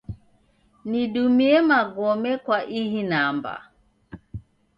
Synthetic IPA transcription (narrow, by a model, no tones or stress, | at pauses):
niɗumiɛmaɡɔmɛkwaʔiɦinamba̰